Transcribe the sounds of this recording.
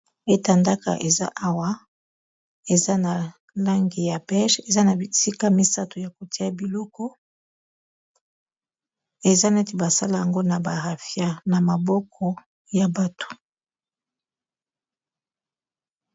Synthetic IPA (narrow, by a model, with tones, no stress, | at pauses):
e˦ta˨nda˦ka̰˨ʔe˨za̰˦ʔa˦wa˦ | e˨za˦na˨ | la˦ŋɡi˨ja˨bɛ˦ʃe˨za˦na˨i˨si˦ka˦mi˦sa˦to˨ja˨ko˨ti˦a˨bi˨lɔ˦kɔ˦ | e˨za˦nɛ˦te˨ba˨sa˦la˨ja˨ŋɡo˦na˨ba˨ʁa˨fja˦na˨ma˨bɔ˦kʰɔ˨ | ja˨ba˨tʰo̥˨